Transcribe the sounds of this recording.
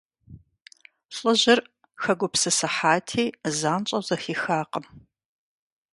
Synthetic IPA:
ɬʼɨʑɪr | xɐɡʷʊpsɨsɐħaːtʰiːzaːnt͡ʃʼɐwzɐxiːxaːqəm

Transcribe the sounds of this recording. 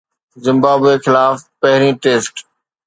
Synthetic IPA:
zɪ̃mbaːbexɪlaːfpɐɦɾĩːʈeːsʈ

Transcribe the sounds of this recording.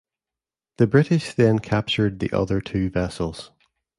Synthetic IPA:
ðəbɹɪʔɪʃðə̃nkʰap̚t͡ʃə˞d̪̚ðḭʔʌ̰ðə˞tʰʉːvɛsəlˠz̥

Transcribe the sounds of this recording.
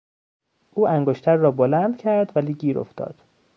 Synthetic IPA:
ʔuːʔæŋɡoʃt̪ʰæɾːɒːbolænd̪̥cʰæɾd̪væliːɡiːɾʔo̰ft̪ɒ̰ːd̪̥

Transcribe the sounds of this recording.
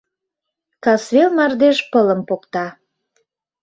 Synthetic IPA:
kɑsβelmɑrd̪eʃpələ̆mpokt̪ɑ

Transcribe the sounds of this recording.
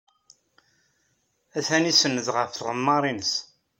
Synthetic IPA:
æθænisənːəðʁəfʁəmːɑɾˤinəs

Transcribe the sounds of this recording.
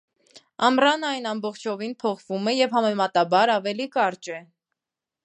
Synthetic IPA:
ɑmrɑnɑjnɑmbɔχt͡ʃʰɔvinpʰɔχvumɛjɛvɦɑmɛmɑt̪ɑbɑɾɑvɛlikɑɾt͡ʃɛ

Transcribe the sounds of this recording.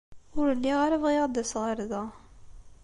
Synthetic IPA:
ʊɾəlːiʁaɾævʁiʁd̪æsʁəɾðɑ

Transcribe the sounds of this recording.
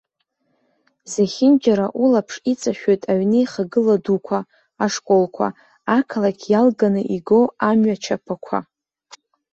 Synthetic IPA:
zaχʲɪnd͡ʒaɾaʔulapʰʂit͡sʼaʃᶣo̞jtʼaɥnɨjχaɡɨladukʷʰaː | ʂkʼo̞lkʷʰa̰ | akʰalakʲʰjalɡanɨʔiɡo̞amɥat͡ʃʰapʰakʷʰa̰

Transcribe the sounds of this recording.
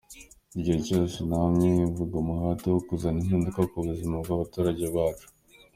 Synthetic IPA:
iɟihecosinamŋeivuɡamuhatewokuzaninhiːndukakuβuzimaɡɡaβatuːɾaɟe̞βaːt͡ʃu̥

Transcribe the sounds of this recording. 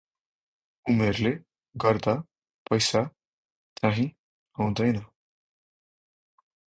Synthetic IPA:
umeɾle | ɡʌɾd̪a | pʌjsa | t͡saɦĩ | aw̃d̪ʌjnʌ

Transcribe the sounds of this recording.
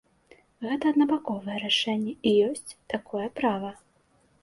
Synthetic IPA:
ɣɛt̪ɐɐd̪nɐbakɔvɐjɛɾaʂɛnʲːɛijɔsʲt͡sʲt̪akʰɔjɛpɾavɐ

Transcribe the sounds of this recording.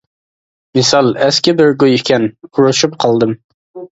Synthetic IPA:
mɨsɑlˠɛskʲɪbɪɾɡojɪkʲʰɛnkʰuɾuʃupqʰɑlˠd̪ɨm

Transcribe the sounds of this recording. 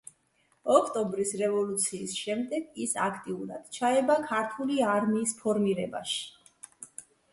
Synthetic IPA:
ɔkʰt̪ʼɔmbɾisɾɛvɔlut̪sʰiːsʃɛmd̪ɛɡisa̰kʰt̪ʼiuɾa̰d̪̥t͡ʃʰaɛbakʰaɾt̪ʰuliaɾmiːspʰɔɾmiɾɛba̰ʃi̥

